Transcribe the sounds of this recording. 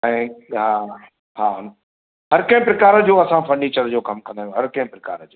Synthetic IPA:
ɛ̃ːɦa | haːɦʊn | ɦɐɾkɐ̃ɦɪ̃pɾɪkaːɾə̆d͡ʑoːɐsãfɐɾniːt͡ɕəɾd͡ʑoːkɐmkɐ̃nd̪aːjũɦɐɾkɐ̃ɦɪ̃pɾɪka̰ːɾəd͡ʑoː

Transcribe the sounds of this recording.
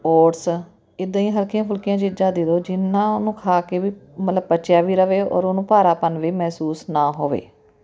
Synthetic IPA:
oːʈs | ɪd̪ːjĩːɦəlkɪjãːpʰʊlkɪjãːd͡ʒɪd͡ʒãːd̪ed̪oːd͡ʒɪnːãːʊnũːkʰaːkeːʋiːmət̪ləb̚pəːʃjaːʋiːɾəʋeːɔ̰ːɾonũːpaːɾaːpənʋiːmɛːsuːsnaːɦoːʋḛː

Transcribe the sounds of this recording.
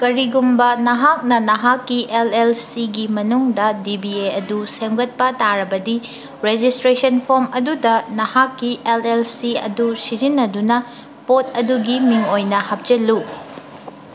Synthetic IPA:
kɐɾiɡumbɐnɐɦak̚nɐnɐɦakːiʔelelsiɡimɐnuŋdɐdibieɐduseŋɡɐt̚pɐtaɾɐbɐdi | ɾed͡ʒistɾesɐnpʰoɾmɐdudɐnɐhakːiʔelelsiɐ̰dusid͡ʒinːɐdunɐ | pot̚ɐduɡimiŋojnɐhɐp̚d͡ʒɐlːu

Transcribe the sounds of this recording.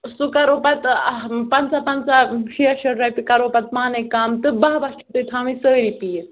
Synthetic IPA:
sukɐɾoːpɐt̪pɐnsapɐnsaʃiɐʃɐɖɾɐjpikɐɾoːpɐt̪̚maːnɐkaːmt̪ɨbɐɦbɐt͡ʃʰut̪ɨt̪ʰãːmisəːɾipit̪

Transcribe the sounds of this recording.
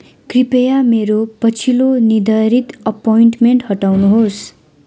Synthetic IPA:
kripejameɾopʌt͡sʰilonid̪ʌɾit̪ʌpojiɳʈmeɳʈhʌʈawnuɦos

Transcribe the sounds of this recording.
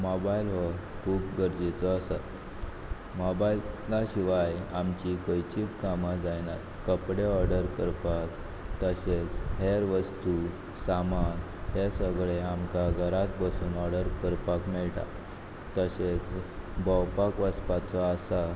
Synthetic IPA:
mɔbailʋəkʰuːpɡəɾd͡ʑet͡sɔasa | mɔbaillaɕiʋajamt͡ɕikəjt͡ɕiːt͡skamad͡zajnaɾ | kəpɽeɔɾɖəɾkəɾpak | t̪əɕet͡sɦeɾʋəst̪u | saman | hesəɡɭeamkaɡʱəɾat̪̚bəsuːnɔɾɖəɾkəɾpakmɛɭʈa̰ | t̪əɕet͡sbɔwpakʋəspat͡sɔːsa

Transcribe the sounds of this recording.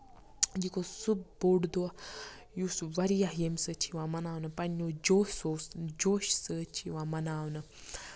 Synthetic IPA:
d͡ʒikosub̚boɖd̪oa | jusʋɐɾijaɦjemsət͡ʃʰiʋãmɐnaːwnɨpɐnːod͡ʒoːsoːsd͡ʒoːʃsət͡ʃʰiʋãmɐnaːwnɨ

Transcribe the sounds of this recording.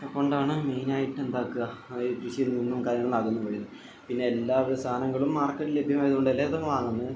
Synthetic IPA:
ɐko̞ɳɖaːɳɨme̞jnaːjiʈːe̞nd̪aːkːɨɣɐt̪ɾiɕilninːumkaːɾjɐŋːɐɭaːkːunːukɐɻijnːɨ | pinːeelːaːʋsaːnɐŋːɐɭumːaːrkːɐʈːile̞bʱjɐmaːjɐðuoɳɖelːet̪ːɐmːɐʋaːŋːunːɐð

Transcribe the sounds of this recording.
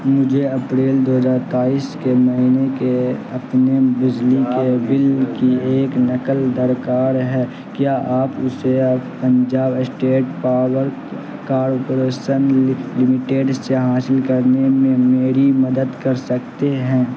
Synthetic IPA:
mʊd͡ʒʱeɐpɾeːld̪oːɦəzaːɾt̪aːiːskeməɦiːnekeɐpnebɪd͡ʒlikebɪlkieːknɐkəld̪əɾkaːɾɦɛː | kjaːʔaːpʊsepə̃ɲd͡ʒaːbsʈeːʈpaːɾwəɾk | kaːɾopoɾeːʃənlɪmɪʈeːɖseɦaːsɪlkəɾnemẽmeːɾimɐd̪əd̪kɐɾsək̚t̪eɦɛ̃ː

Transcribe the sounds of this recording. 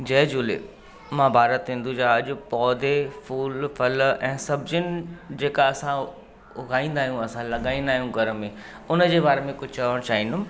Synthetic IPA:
d͡ʑɐːd͡ʑuːlḛ | mãːbʱaːɾət̪ɦɪ̃nd̪ud͡ʑaːɐʄʊ̆pɔːd̪ʱefuːlfɐlɛ̃ːsɐbd͡ʑɪnɪ̆d͡ʑeːkaɐsã | ʊɡʱaːĩːnd̪aːɦjũɐsãlɐɠaːĩːnd̪aːɦijũɡʱɐɾəmẽ | ʊnəd͡ʑeːbaːɾemẽkʊd͡ʑʱt͡ɕɐʋəɽ̃t͡ɕaːɦĩnd̪ʊm

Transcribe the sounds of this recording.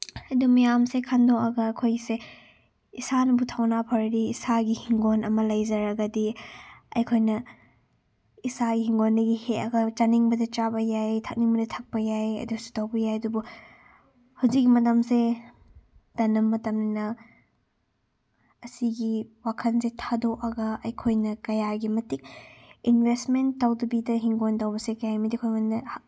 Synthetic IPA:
ɐdumɐjamsekʰandoɐɡɐːkʰojse | isanɐbutʰawnapʰɐɾɾiːsaɡihiŋɡonɐmɐlɐjzɐɾɐɡɐdiɐ̰jkʰojnɐ | isaɡihiŋɡonːɐɡiheɐɡɐt͡ʃaniŋbɐdɐt͡ʃabɐjajtʰɐk̚niŋbɐdɐtʰɐk̚pɐjajɐ̰dusu̥tawbɐjajɐdubu | hawzik̚ːimɐtamse | d̥ɐnɐmːɐtɐmnɐnɐ | siɡiwakʰɐnsetʰadokɐɡɐɐjkʰojnɐkɐjaɡimɐtik̚inbʱestmenttːawdɐbidɐɦiŋɡontawbɐsekɐjajmidikʰojmondɐ

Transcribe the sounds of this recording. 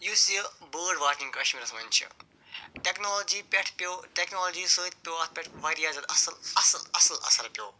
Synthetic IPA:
juːsibəːɾɖʋaːɾkĩŋkɐʃmiːɾɐsɐmɐnʲt͡ʃʰḭ | ʈeknoːloːd͡ʒiːpʲɐʈʰpjoːʈeknoːlod͡ʒiːsəːt͡ʃ̚pʲjoːaːt̪̚ʰpʲɐʈʰʋaːɖijaːzɐlɐsɐlɐsɐlɐsɐlɐ̰sɐɾpjo̰ː

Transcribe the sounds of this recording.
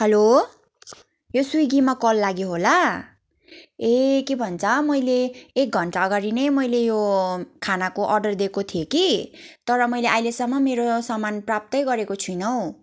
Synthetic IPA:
hʌlo | josujɡimakʌlːaɡjoɦola | ekebʱʌnt͡sʰʌmʌjleːk̚ɡʱʌɳʈaʌɡaɾinʌjmʌjlejokʰanakoʔʌrɖʌrd̪ekot̪ʰijekit̪ʌɾʌmʌjleʔajlesʌmːʌmeɾosʌmanprap̚t̪ʌjɡʌɾekot͡sʰujnʌw̃

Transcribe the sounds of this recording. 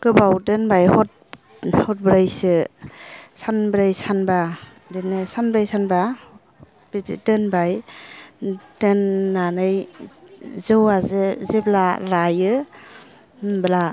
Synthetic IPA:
kɯbawdɯnbajhɔt̚ | hɔt̚bɾajsɯ | sanbɾajsanba | denɯsanbɾajsanba | biidɯnbaj | dɯnːanɯj | zɯwazɯzeblaɾajɯ | bəla

